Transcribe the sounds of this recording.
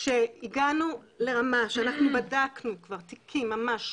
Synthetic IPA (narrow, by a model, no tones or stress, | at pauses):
ʃe̞iɡanu | le̞ʁamaʃeanaχnubadaknukvaʁt̪ikʰimːamaʃ